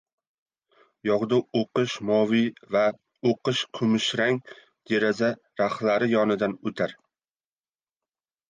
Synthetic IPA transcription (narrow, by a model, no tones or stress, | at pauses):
jɒʁd̪aoqɨʃmɒviva | oqɨʃkʰʊmɪʃɾaŋ | d̪̥eɾaza | ɾaχlaɾɪjɒnɪd̪anɵt̪ʰaɾ